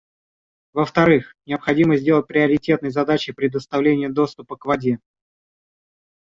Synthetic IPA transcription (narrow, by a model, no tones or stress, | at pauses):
vəft̪ɐɾɨxnʲɪəpxɐdʲiməzʲdʲelˠət̚ʲpɾʲɪɐɾʲɪtʲe̞t̪nəjzɐd̪at͡ɕɪpɾʲɪd̪əst̪ɐvlʲenʲɪjəd̪o̞st̪ʊpəkvɐdʲe̞